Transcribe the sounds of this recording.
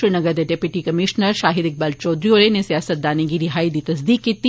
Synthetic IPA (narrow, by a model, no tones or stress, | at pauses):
ɾinɐɡəɾd̪eɖeːpjʊʈikɐmɪʃnəɾʃaːɦɪd̪ɪk̚baːlt͡ʃɔːd̪ɾijoːɾenesijaːsət̪̚d̪aːneɡiɾɪɦaːid̪iːt̪ɐs̬d̪iːkːiːt̪i